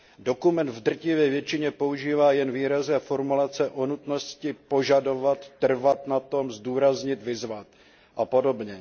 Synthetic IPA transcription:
do̞kumɛnt̪vd̪r̩cɪvjɛːvjɛt͡ʃɪɲɛpo̞uʒiːvaːjɛnviːɾaznɛːfoɾmulat͡sɛʔonut̪no̞scɪpo̞ʒado̞vat̪ːr̩vat̪nat̪o̞mzduːɾazɲɪt̪vɪzvat̪̚ | ʔapo̞do̞bɲɛ

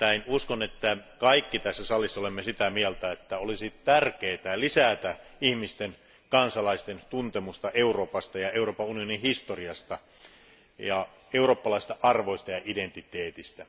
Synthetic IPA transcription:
t̪æinuskonet̪ːækɑikːit̪æsːæsɑlːˑisːɑolemːesit̪æmielt̪æet̪ːæolisit̪ærkeːt̪ælisæt̪æihmist̪en | kɑnsɑlɑist̪ent̪unt̪emust̪ɑʔeuroːpɑst̪ɑjɑeuroːpɑunionihist̪oriɑst̪ɑ | jɑ | euroːpːɑlɑˑist̪ɑʔɑrʋoist̪ɑjɑʔident̪it̪eːt̪ist̪æ

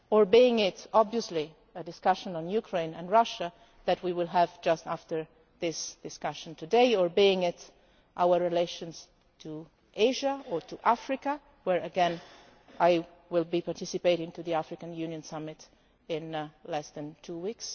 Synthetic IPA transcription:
ɔɹbiɪ̃ŋɪtɔbviəsli | ədɪskʌʃə̃nə̃njukʰɹẽɪ̃nɨ̰̃nɹʌʃa | ðɨtwiwɪlˠævd͡ʒʌstæftə˞ | ðɪsd̥ɪskʌʃə̃ntudeɪəɹbiɪ̃ŋɪt | ʔawəɹɹileɪʃə̃nsz̥ | tʰu | ʔeɪʒaɔtʰuʔæfɹɪka | wɛɹəɡɛ̃n | aɪ | wɪlˠbipaɹtɪsɨpeɪɾɪ̃ŋtuðiæfɹɪkə̃njʉnjə̃nsʌmɪt | ɪ̃nlɛsðæ̃ntʰuwiks

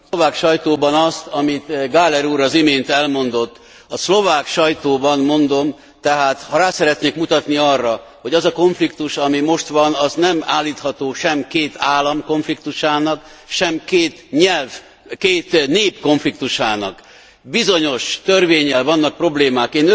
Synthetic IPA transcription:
ovaːkʃɒjt̪oːbɒnɒst̪ɒmit̪ɡaːlɛɾuːɾɒzimeːnt̪ɛlmo̞nd̪o̞t̪ː | ɒslo̞vaːkʃɒjt̪oːbɒnmo̞nd̪o̞m | t̪ɛɦaːt̪hɒɾaːsɛɾɛt̪neːkmut̪ɒt̪niɒrːɒ | ho̞ɟɒzɒko̞ɱflikt̪uʃɒmimo̞ʃt̪ʋɒnɒznɛma̰ːlːiːt̪hɒt̪oːʃɛmkeːt̪ʰaːlɒmko̞ɱflik̚t̪uʃaːnɒk | ʃɛmkeːt̪ɲɛlv | keːt̪neːpko̞ɱflik̚t̪uʃaːnɒ̰k | bizo̞ɲo̞ʃt̪ørveːɲːɛlvɒnːɒk̚pro̞bleːmaːkeːn

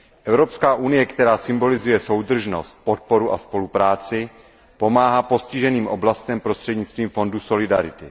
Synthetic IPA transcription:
ʔɛvɾo̞pskaːʔunɪjɛkt̪ɛɾaːsɪmbo̞lɪzujɛso̞wd̪r̩ʒno̞̰st̪̚pot̪̚po̞ɾuʔaspo̞lupɾaːt͡sɪ | po̞maːɦaːpo̞scɪʒɛniːmʔo̞̰blast̪ɛmpɾost̪r̥ɛdɲɪt͡st̪viːmfo̞nduso̞lɪdaɾɪt̪ɪ

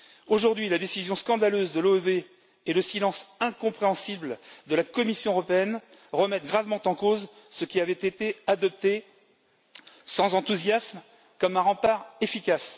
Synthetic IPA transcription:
oʒuʁd̪ɥilad̪esizjɔ̃skɑ̃d̪aløzd̪əlobe | ɛləsilɑ̃sɛ̃kɔ̃pχeɑ̃sibld̪əlakɔmisjɔ̃əʁɔpeɛn | ʁəmɛt̪ɡʁavmɑ̃t̪ɑ̃koz | səkʲiavɛt̪et̪ead̪ɔp̚t̪e | sɑ̃zɑ̃t̪uzjasm | kɔmɛ̃ʁɑ̃paʁefikʲas

